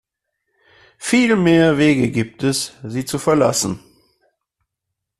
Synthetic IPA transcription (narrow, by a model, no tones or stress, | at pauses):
fiːlmeːɐveːɡəɡiːp̚tɛsziːt͡sufɛɐla̰sn̩